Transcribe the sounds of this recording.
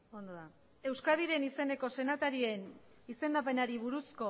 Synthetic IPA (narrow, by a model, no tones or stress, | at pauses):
o̞nd̪oða | e̞wskaðiɾe̞nise̞ne̞ko̞se̞nat̪aɾie̞n | ise̞nd̪ape̞naɾiβ̞uɾusko̞